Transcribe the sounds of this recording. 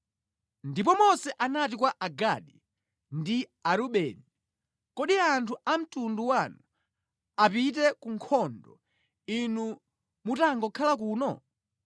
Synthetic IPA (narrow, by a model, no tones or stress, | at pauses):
ndipɔmɔsɛʔanat̬ikwaʔaɡaɗi | ndiaɾuɓɛːni | kɔɗiantʰuʔam̩tunduwanu | apit̬ɛkuŋkʰɔndɔ̰ | inu | mutaŋɡɔkʰalakuːnɔ